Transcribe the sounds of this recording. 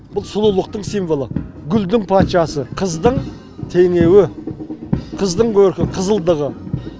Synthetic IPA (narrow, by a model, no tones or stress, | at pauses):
bʊlˠsʊlˠulˠəq̚t̪əɴsijmvo̞lˠə | ɡʲʏld̪ɪŋpʰat̪ʃɑsəqʰəzd̪əɴ | t̪ʰe̞ŋe̞wɪ | qʰəzd̪əɴkʲʰɵɾkʲɪqʰəzəlˠd̪əʁə